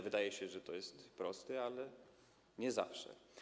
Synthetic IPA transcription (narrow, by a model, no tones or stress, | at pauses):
vɘd̪ajɛɕɛʐɛt̪ɔjɛst̪pɾɔst̪ɛalɛ | ɲɛza̰fʂɛ̰